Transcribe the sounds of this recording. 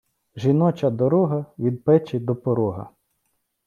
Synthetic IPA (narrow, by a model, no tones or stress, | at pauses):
ʒinɔt͡ʃɐd̪ɔɾɔɦɐʋʲid̪̚pɛt͡ʃɪd̪ɔpɔɾɔɦɐ̰